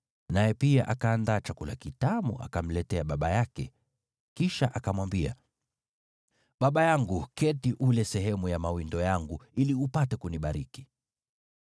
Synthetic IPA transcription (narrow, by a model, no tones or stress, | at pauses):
najɛpiaʔakaːndaːt͡ʃakula̰kitamuʔa̰kam̩lɛtɛaɓaɓajakɛ̰ | kiʃaʔakamwambia̰ | ɓaɓajaŋɡukɛtiʔulɛsɛɦɛmujamawindɔjaŋɡuiliupatɛkuniɓaɾiki̥